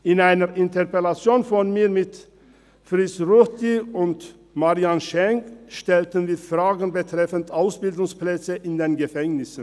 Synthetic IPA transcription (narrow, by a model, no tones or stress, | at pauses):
ʔɪnaɪnəʁʔɪntɛʁpɛlat͡sjoːnfɔnmiːɐmɪt | fʁɪt͡sʁutiʊnt | maʁianʃɛŋkʃtɛltənviːɐfʁ̥aːɡn̩bətʁ̥ɛfəntʔaʊsb̥ɪldʊŋsplɛt͡səʔɪndeːnɡəfɛŋnɪsn̩